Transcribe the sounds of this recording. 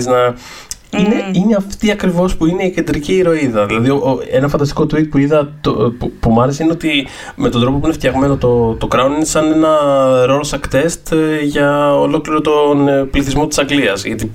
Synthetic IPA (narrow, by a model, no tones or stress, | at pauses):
znɐ | ine̞ine̞ɐft̪iɐkɾivo̞spuine̞ice̞nd̪ɾiciːɾo̞iðɐðilɐðioʔoe̞nɐfɐnd̪ɐst̪iko̞t̪ɾik̚puiðɐt̪opupumuɐɾesine̞o̞t̪i | met̪od̪ɾopo̞puineft̪çɐɣme̞no̞t̪ot̪o̞kɾɐoninesɐne̞nɐɾo̞losɐkt̪e̞st̪ʝɐolo̞kliɾot̪o̞npliθizmo̞t̪i̥sɐŋɡliɐzʝɐt̪i